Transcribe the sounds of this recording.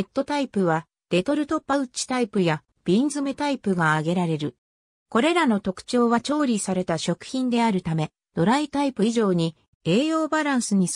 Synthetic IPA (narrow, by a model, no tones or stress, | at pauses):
et̪ːo̞t̪aipɯ̟βa | d̪̥e̞t̪o̞ɾɯ̟t̪o̞pːaɯ̟t͡ɕi̥t̪aipɯ̟ja | b̥ʲind͡zɨme̞t̪aipɯ̟ɡaːɡe̞ɾaɾe̞ɾɯ̟ | ko̞ɾe̞ɾano̞t̪o̞kɯ̟̥t͡ɕo̞ːβat͡ɕo̞ːɾʲisaɾe̞t̪aɕo̞kɯ̟̥çĩnd̪e̞aɾɯ̟t̪ame̞ | d̪̥o̞ɾait̪aipɯ̟iʑo̞ːɲ̟i | e̞ːjo̞ːbaɾãɰ̃sɨɲ̟i